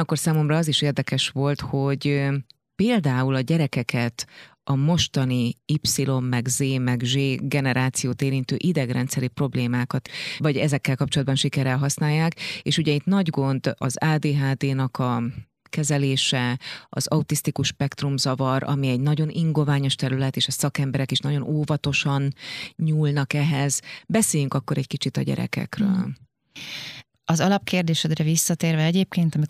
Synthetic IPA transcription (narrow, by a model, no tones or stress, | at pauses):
ɒkːo̞rsaːmo̞mrɒɒziʃeːrd̪ɛkɛʃʋo̞lt̪ho̞ɟ | peːld̪aːulɒɟɛɾɛkɛkɛt̪ | ɒmo̞ʃt̪ɒniipsilo̞mːɛɡzeːmɛɡʒeːɡɛnɛɾaːt̪sijoːt̪eːɾint̪øːʔid̪ɛɡrɛnt̪sɛɾipro̞bleːmaːkɒt̪vɒɟɛzɛkːɛlkɒp̚t͡ʃolɒd̪̚bɒnʃikɛɾɛlɦɒsnaːjːaːkeːʃuɟɛit̪nɒɟɡo̞nd̪ɒ̰zaːd̪eːɦaːd̪eːnɒkɒ | kɛzɛleːʃɛɒ̰zɒut̪ist̪ikuʃːpɛkt̪rumzɒvɒɾɒ̰miɛɟnɒɟo̞nʔiŋɡo̞vaːɲo̞ʃt̪ɛɾylɛt̪eːʃɒsɒkɛmbɛɾɛkiʃnɒɟo̞noːvɒt̪o̞ʃɒnɲuːlnɒkɛɦɛzbɛseːjyŋkɒkːo̞ɾɛckit͡ʃit̪ɒ̰ɟɛ̰ɾɛ̰kɛ̰krø̰ːl | ɒzɒlɒp̚keːrd̪eːʃɛd̪rɛvisːɒt̪eːrvɛɛɟeːp̚keːnt̪ɒmi